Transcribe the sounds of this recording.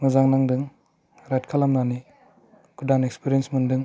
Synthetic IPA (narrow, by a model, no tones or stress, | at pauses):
ŋɯzaŋnaŋdɯŋ | ɾajtkʰalamnani | kʰudanekspʰiɾiensmundɯŋ